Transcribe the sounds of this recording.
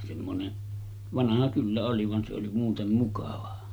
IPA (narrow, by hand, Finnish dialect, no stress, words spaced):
semːone ʋɑnɑhɑ kylːæ oli ʋɑn se oli muːtem mukɑʋɑ